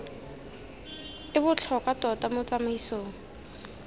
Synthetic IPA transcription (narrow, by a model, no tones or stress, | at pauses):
ɪbʊt͡ɬʰɔkʼwatʼɔtamʊt͡samaisoːŋ̩